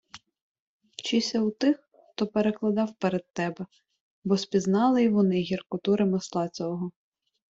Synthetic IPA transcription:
t͡ʃisʲɐwt̪ɪx | xt̪ɔpeɾeklˠɐd̪ɑwpeɾed̪̚t̪ɛbɛ | bɔspʲiznɑlˠɪʋɔnɪɦʲirkʊt̪uɾemɪslˠɑt͡sʲɔɦɔ

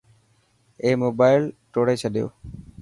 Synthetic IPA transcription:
emobajlʈoɽajt͡ɕʰad̪ḛo

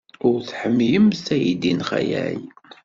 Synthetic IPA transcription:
ʊɾθħəmːjəmsæjid̪inχæ̰jæj

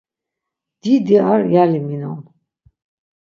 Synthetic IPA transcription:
d̪̥id̪iaɾjaliminɔm

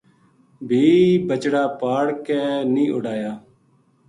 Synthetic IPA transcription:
bʱiːbət͡ʃɽaːpaːɽkɛːnĩːʔʊɽaːjaː

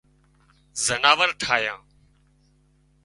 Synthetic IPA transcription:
zənaːʋəɾʈʰaːjãː

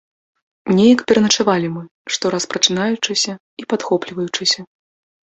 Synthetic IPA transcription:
nʲɛjɐkpʲɛɾɐnɐt͡ʂavalʲimɨ | ʂt̪ɔɾɐspɾɐt͡ʂɨnajut͡ʂɨsʲɐ | ipat̪xɔplʲivɐjut͡ʂɨsʲɐ

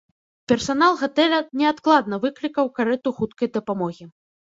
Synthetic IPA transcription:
pʲɛrsanalˠɣat̪ɛlʲɐnʲɛat̪klˠad̪nɐvɨklʲikɐwkaɾɛt̪uxut̪kɐjd̪ɐpamɔɣʲi

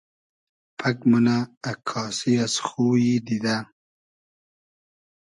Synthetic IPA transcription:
pʰakmunaːkʰːɑːsiasxuːjid̪id̪a

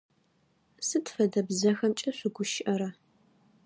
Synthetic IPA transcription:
sɨtfɐdɐbzɐxɐmt͡ʃʼɐɕʷʊɡʷʊʃɪʔɐɾɐ

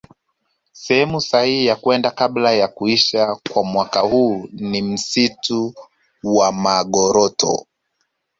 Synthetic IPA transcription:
sɛhɛmusahihijakwɛndakablajakuiʃakwamwakahuːnim̩situ | wamaɠɔɾɔtɔ̰

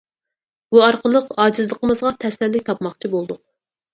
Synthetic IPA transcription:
buɑɾqəlˠəqɑːd͡ʒɨzlˠəqʰəmɨzʁɑt̪ʰɛsɛlːɪk̚ʲt̪ʰɑpmɑχt͡ʃʰibolˠd̪ʊq̚

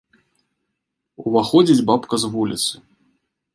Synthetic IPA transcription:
uvaxɔd͡zʲid͡zʲbapkɐzvulʲḭt̪sɨ

